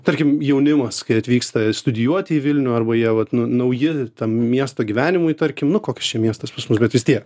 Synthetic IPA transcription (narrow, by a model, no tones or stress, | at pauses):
t̪ɐɾʲkʲɪmjɛʊnʲɪmɐskɐɪɐt̪ʲʋʲiːkst̪ɐst̪ʊd̪ʲɪjuɔt̪ʲɪiːʋʲɪlʲnʲʊːɐrbɐjiɛʋɐt̪nʊnɐʊjɪt̪ɐmmʲiɛst̪oːɡʲiʋʲæːnʲɪmʊjt̪ɐɾʲkʲɪmnʊkoːkʲɛst͡ʃʲiɛmʲiɛst̪ɐspɐsmʊs̬bʲɛt̪ʋʲɪst̪ʲiɛk